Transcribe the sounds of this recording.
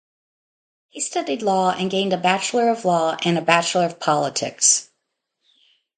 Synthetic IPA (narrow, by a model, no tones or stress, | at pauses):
histʌɾidˡlɔɨ̰̃nɡẽɪ̃ndɨbæt͡ʃl̩ˠə˞ʌvlɔʔɨ̃nɨbæt͡ʃl̩ˠə˞ʌv̥pʰɑlˠətʰɪ̰ks